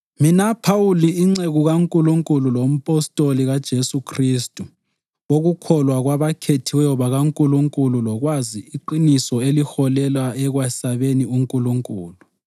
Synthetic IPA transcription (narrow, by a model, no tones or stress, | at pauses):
minapʰawuliːŋ͡ǀeɣuɣaŋkʼuluŋkʼululom̩pʼɔstʼoliɣad̥ʒ̥ʱesukʰristʼu | oɣukʰɔlwaɣwaβakʰetʰiwɛjɔβaɣaŋkʼuluŋkʼululɔɣwaziiǃinisɔelixɔlɛlwaɛɣwasaβeniuŋkʼuluŋkʼuːlu